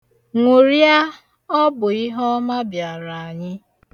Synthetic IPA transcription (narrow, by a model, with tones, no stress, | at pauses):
ŋʷu˨ɾja˦ | ɔ˦bʊ˨i˦ɦɔ˦ma˦bja˨ɾa˨a˨ɲɪ˦